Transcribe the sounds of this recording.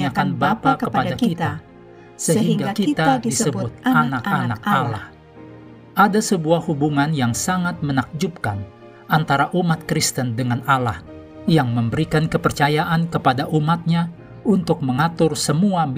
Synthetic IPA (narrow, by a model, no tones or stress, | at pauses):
akanbapakəppadaakit̪a | səɦɦiiŋŋɡaakit̪adisəbbʊt̪̚anakanak̚alah | ʔadasəbuahhubuŋanjaŋsaŋat̪̚mənak̚d͡ʒup̚kan | ʔant̪aɾaʔumat̪̚kɾist̪əndəŋanalah | jaŋməmbəɾikankəpərt͡ʃajaʔankəpadaʔumat̪̚ɲa | unt̪ʊk̚məŋat̪ʊrsəmua